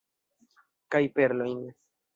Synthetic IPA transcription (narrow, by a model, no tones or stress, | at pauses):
kajpe̞ɾlo̞jn